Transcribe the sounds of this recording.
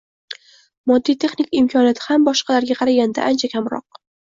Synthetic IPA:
mɒd̪ːijt̪ʰe̞χnikʲɪmkʰʲɒnjɒt̪ʰɪhambɒʃqʰɑlaɾɡʲaqʰɑɾaɡʲand̪a̰ʔant͡ʃʰakʲʰamɾɒ̰q̚

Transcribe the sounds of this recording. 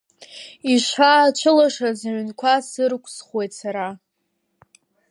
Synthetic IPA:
iʂaːt͡ʃʷʰɨlaʂazaʕʷnkʷʰasɨrkʷʰʼsχwe̞jtsaɾa

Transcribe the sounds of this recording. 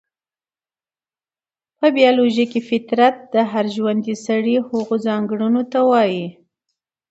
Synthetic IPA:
pəbijɑloʒakefɪt̪ɾat̪̚d̪əɦaɾʒwand̪isaɽihoɣozɑŋɡɽunot̪awɑji

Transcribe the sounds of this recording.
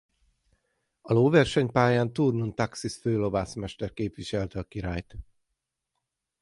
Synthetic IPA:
ɒloːvɛrʃɛɲpaːjaːnt̪urnunt̪aksisføːlo̞vaːsmɛʃt̪ɛrkeːpʋiʃɛlt̪ɛɒkiɾaːjt̪

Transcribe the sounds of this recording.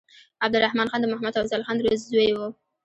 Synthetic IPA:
ab̚d̪ʊɾahmɑnxɑnd̪əmʊhamad̪awzalxɑnd̪ɾozzwewu

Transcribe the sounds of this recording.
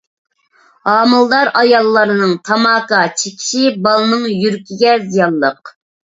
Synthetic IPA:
ɑːmɨlˠd̪ɑɾɑjɑlˠːɑɾɨnɨŋt̪ʰɑmɑːkɑt͡ʃʰekʲʰi̥ʃibɑlˠnɨŋjyɾkʲʰiɡʲɛzijɑnˠːəq̚

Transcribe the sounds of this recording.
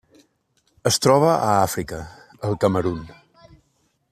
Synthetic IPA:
əst̪ɾɔβ̞əʔəafɾikə | əlˠkəməɾun

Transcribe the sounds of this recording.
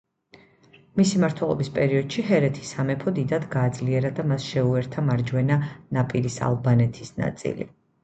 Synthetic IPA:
misimaɾt̪ʰwɛlˠɔ̰bispʼɛɾiɔd̪̥ʃiɦɛɾɛt̪ʰi̥samɛpʰɔd̪id̪ad̪ɡaːd̪zliɛɾad̪amasʃɛuɛɾt̪ʰamaɾd͡ʒwɛnanapʼiɾisa̰lˠbanɛt̪ʰi̥sna̰t̪sʼḭlḭ

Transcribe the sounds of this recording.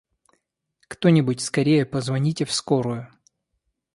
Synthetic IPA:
kt̪onʲɪbʊtʲskɐɾʲejəpəzvɐnʲitʲɪfskoɾʊjʊ

